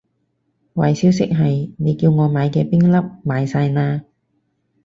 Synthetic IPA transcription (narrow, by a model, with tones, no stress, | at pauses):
wɐ˨jsiː˨˥wsɪ˥k̚ɦɐ˨jne˨˧jki˧wŋɔː˨˧maː˨˧jkɛː˧pɪ˥ŋlɐ˥p̚maː˨˧jsaː˧jnaː˧